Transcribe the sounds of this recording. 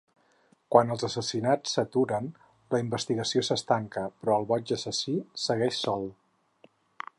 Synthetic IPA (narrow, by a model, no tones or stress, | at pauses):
kwanəlˠzəsəsinat͡sːət̪uɾən | ləimbəst̪iɣəsiosəst̪aŋkəpɾɔəlˠβɔd͡ʒəsəsisəɣɛʃsɔlˠ